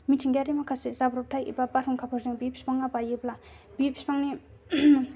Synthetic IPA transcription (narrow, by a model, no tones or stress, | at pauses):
mitʰiŋɡaɾimakʰasezabɾɔp̚tʰajḭbapaɾʰuŋkʰapʰɯɾzeŋbipʰi̥spaŋːabajebla | bipʰi̥spaŋni